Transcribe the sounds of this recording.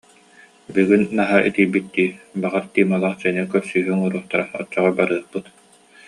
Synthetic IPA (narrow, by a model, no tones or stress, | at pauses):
byɡinːaɦaʔḭt̪iːbit̪̚d̪iːbaʁaɾt̪iːmalˠaχsɛnikœɾsyːɦyŋuɾuɔχt̪aɾaɔ̰t͡ɕːɔʁɔbaɾɯɐχpɯt̪